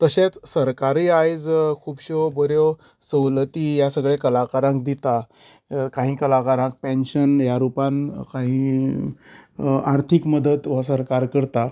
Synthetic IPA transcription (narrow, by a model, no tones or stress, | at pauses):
t̪əɕẽt͡ssəɾkaɾiːajd͡zkʰuːbɕobəɾjo | səwlət̪iːjasəɡɭekəlakaɾãŋk̚d̪it̪a | kaɦĩːkəlakaɾãk̚pɛ̃nɕənjaɾupãnkaɦĩ | aɾt̪ʰikməd̪ət̪ʋasəɾkaɾkəɾt̪a